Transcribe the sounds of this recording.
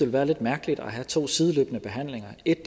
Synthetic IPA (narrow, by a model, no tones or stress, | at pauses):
e̝lʋæːɐle̝d̥mæɐɡ̥əlid̥æɦæt͡sʰo̝̰ːsiːð̞ˠlø̰ːb̥ənəb̥e̝ɦæn̰le̝ŋɐe̝d̥